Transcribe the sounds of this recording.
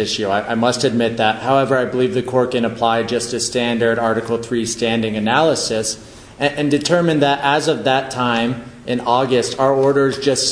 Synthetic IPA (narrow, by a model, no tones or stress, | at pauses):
ɪʃʉaɪʔaɪmʌstɨd̚mɪt̪̚ðɨt̚haʊɛvə˞aɪbəlivðɨkʰɔɹt̚kɨ̃ñəpʰl̥aɪd͡ʒʌstɨstæ̃ndə˞ɾɑɹɾɨkl̩ˠθɹistæ̃ndɪ̃ŋɨnælˠəsɨs | ɨ̃ndɨtʰɜ˞mɨ̃nðɨɾʔəzʌvðɨtʰãɪ̃mʔɨ̃nɔɡɨstaʊə˞ɔɹɾə˞zd͡ʒʌst